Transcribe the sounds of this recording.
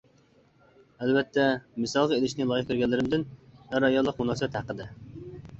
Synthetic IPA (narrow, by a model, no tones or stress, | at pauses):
ælbɛt̪ʰːɛmɨsɑlˠʁɑelɪʃnɪlˠɑjɪχk̪ʲʰɾɡʲɛlːɪɾɪmd̪ɪnæɾɑjɑlˠːəqmunɑsɛt̪hæqəd̪ɨ